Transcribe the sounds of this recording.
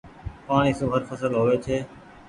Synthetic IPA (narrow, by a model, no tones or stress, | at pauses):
paːɳiːsuːɦəɾfəsəlɦoːʋeːt͡ʃʰeː